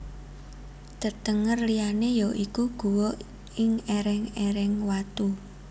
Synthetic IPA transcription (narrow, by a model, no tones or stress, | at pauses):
d̪̥ə̤t̪əŋərlijanejoʔikuɡ̥ṳwɔʔ | ɪŋeɾɛŋeɾɛŋwat̪u